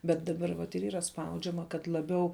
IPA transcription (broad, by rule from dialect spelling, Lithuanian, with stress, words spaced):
bʲɛt dɐˈbɐr ʋɐt ɪr ˈiːrɐ ˈspɐʊd͡ʒʲɛmɐ kɐt lˠɐˈbʲɛʊ